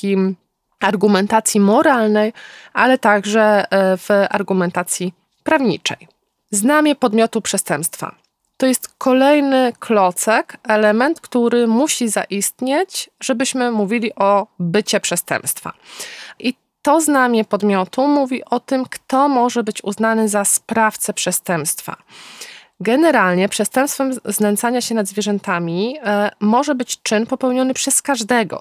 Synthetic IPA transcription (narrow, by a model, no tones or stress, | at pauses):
i | aɾɡumɛnt̪at̪sʲjimɔɾalnɛjʔalɛt̪aɡʐɛva̰ɾɡumɛnt̪at̪sʲji | pɾavɲḭt͡ʂɛ̰j | znamʲjɛpɔd̪mʲjɔt̪upʂɛst̪ɛmpst̪fa̰ | t̪ɔjɛst̪kʰɔlɛjnɘkʰlɔt̪sɛkɛlɛmɛnt̪kt̪uɾɘmuɕiza̰ʔist̪ɲet͡ɕʐɛbɘɕmɘmuvʲilʲiʔɔbɘt͡ɕɛpʂɛst̪ɛ̰mpst̪fa̰ʔi | t̪ɔznamʲɛpɔd̪mʲjɔt̪umuvʲiʔɔt̪ɘmkt̪ɔmɔʐɛbɘt͡ɕṵznanɘzaspɾaft̪sɛpʂɛst̪ɛmpst̪fa̰ | ɡɛnɛɾalɲɛpʂɛst̪ɛ̃mpst̪fɛmznɛnt̪saɲaɕɛnad̪zvʲjɛʐɛnt̪amʲimɔʐɛbɘt͡ɕt͡ʂɘnpɔpɛwɲɔnɘpʂɛskaʐd̪ɛɡɔ̰